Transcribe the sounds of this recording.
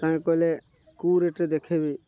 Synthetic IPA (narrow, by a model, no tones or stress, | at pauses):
kãːkole | kuːɾeʈed̪eːkʰeːbiː